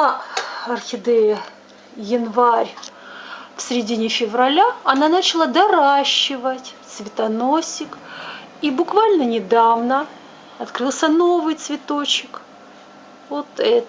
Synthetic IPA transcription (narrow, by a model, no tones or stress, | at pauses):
ɐrxʲɪd̪ɛjɪ | jɪnvaɾʲ | fsʲɾʲɪdʲinʲɪfʲɪvɾɐlʲaɐnanat͡ɕɪlˠad̪ɐɾaɕːɪvətʲt̪svʲɪt̪ɐno̞sʲɪk | ibʊkvalʲnənʲɪd̪avnə | ɐt̪kɾɨlˠsʲəno̞vɨjt̪svʲɪt̪o̞t͡ɕɪk | vot̪ɛt̪